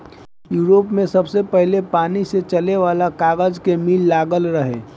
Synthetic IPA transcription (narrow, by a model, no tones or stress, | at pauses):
juːɾoːpmẽsɐbsepəɦlepaːniset͡ʃɐleʋaːlakaːɡəd͡ʒkemiːlːaːɡəlɾəɦḛː